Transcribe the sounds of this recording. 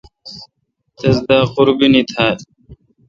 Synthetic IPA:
t̪esd̪aːquɾbinit̪ʰaːl

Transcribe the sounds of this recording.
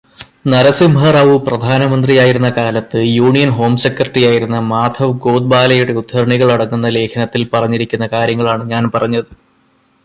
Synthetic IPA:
nɐɾɐsimʱɐrɐʋɨprɐd̪ʱaːnɐmɐnd̪rijaːjiɾunːɐkaːlɐt̪ːɨjuːɳijɐnɦo̞ːmsekːrɐʈrijaːjiɾunːɐmaːd̪ʰʱɐʋɡoːd̪̚baːlɐjuɽe̞ud̪ʱhɐɾɳiɣɐɭɐɽɐŋːunːɐle̞ːkʰɐnɐt̪ːilpɐrɐɲːiɾikʲːunːɐkaːɾjɐŋːɐɭaːɳɨɲaːnpɐrɐɲːɐðɨ

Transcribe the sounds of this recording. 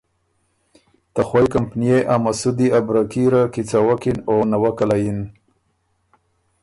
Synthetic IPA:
t̪axwajkampnijeʔamasud̪iabɾakiɾakit͡sawakinonawakalajin

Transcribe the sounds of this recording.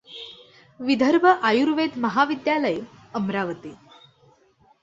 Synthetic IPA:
ʋid̪ʱəɾbʱəʔajuɾʋed̪məɦaʋid̪jaləjəmɾaʋət̪i

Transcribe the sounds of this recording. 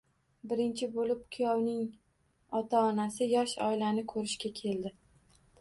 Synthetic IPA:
bɪɾɪnt͡ʃʰɪbolɪp̚kʲʰʊjɒwnɪŋ | ɒt̪ʰaɒnasɪjɒʃɒ̰ɪlanɪkʰɵɾɪʃkʲakʲʰe̞ld̪ɪ

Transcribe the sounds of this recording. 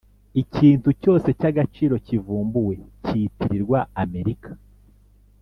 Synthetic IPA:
iciːntuco̞ːse̞caɡat͡ʃiːɾo̞civuːmbuwe̞citiɾiɾɡwaːme̞ɾikʰḁ

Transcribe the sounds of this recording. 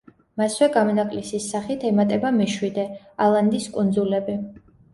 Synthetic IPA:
maswɛɡamɔnakʼlisisːaχit̪ʰɛmat̪ʼɛbamɛʃwid̪ɛ | alˠand̪iskʼund̪zulɛbi

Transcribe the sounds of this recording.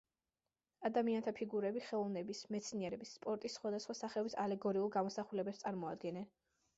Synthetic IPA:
ad̪amiant̪ʰapʰiɡuɾɛbiχɛlˠɔvnɛbismɛt̪sʰniɛɾɛbisːpʼɔɾt̪ʼisːχwad̪asχwasaχɛɔbisalɛɡɔɾiulˠɡamɔsaχulɛbɛpst̪sʼaɾmɔad̪̚ɡɛnɛn

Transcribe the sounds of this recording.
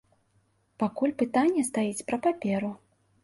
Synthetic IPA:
pakulʲpɨt̪anʲːjɐst̪ajit͡sʲpɾɐpapʲɛɾu

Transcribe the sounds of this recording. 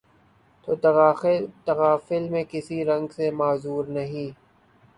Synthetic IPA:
t̪oː | t̪ɐɣaːfɪlmẽkɪsiɾɐ̃ŋɡsemaːzuːɾnɐɦĩː

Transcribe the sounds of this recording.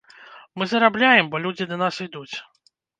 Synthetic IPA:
mɨzɐɾablʲajɛmbɔlʲud͡zʲid̪ɐnasid̪ut͡sʲ

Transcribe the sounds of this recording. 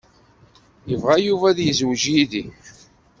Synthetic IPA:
jəvʁajuvæðjəzwʒjiði

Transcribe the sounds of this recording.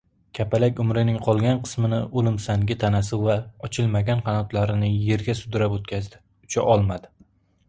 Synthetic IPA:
kʲʰapalakʲʊmɾɪnɪŋqʰɒlˠɡʲanqʰɨ̥smɪnɪʔolˠɪmsaŋɡʲɪt̪ʰanasɪvaɒt͡ʃʰɪlˠmaɡʲanqʰɑnɒt̪laɾɪnɪje̞ɾɡʲasʊd̪ɪɾapot̪̚kʲazd̪ɪ | ʊt͡ʃʰaʔɒlˠmad̪ɪ

